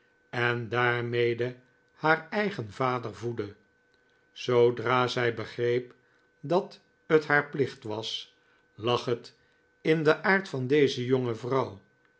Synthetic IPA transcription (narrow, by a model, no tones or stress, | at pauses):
ɛndaːɹmejdə | haːɹɛjχənvaːdəɹvudə | z̥owdraːzɛjbəχrejp | dɑt | ətɦaːɹplɪχtʋɑs | lɑχɦət | ɪndəʔaːɹtfɑndejzəjoŋəvrʌw